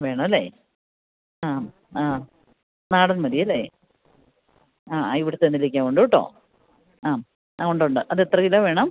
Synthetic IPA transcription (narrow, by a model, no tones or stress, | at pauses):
ʋe̞ːɳɐmɐlːeː | aːm | aː | naːɽɐnmɐðijɐlːḛː | aːaiʋiɽɨt̪ːenːilikʲːaːŋkoɳɖuʋiʈːo̰ː | aːm | aːoɳɖuɳɖɨʔɐðet̪rɐkilːoʋe̞ːɳɐm